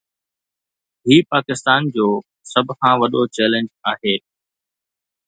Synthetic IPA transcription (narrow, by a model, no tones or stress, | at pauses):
ɦiːpaːkɪst̪aːnd͡ʑoː | sɐbʱkʰãʋɐɗot͡ɕɛːlə̃ɲd͡ʑaːɦeː